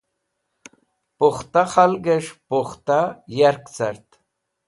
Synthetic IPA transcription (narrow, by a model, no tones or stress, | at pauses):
poχt̪aχalɡeʂpoχt̪ajaɾkt͡saɾt̪